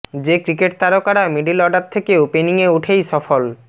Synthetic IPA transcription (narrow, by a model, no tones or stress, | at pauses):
d͡ʑekɾikeʈ̚t̪aɾokaɾamiɖilɔɖaɾt̪ʰekeopeniŋeuʈʰejʃɔfol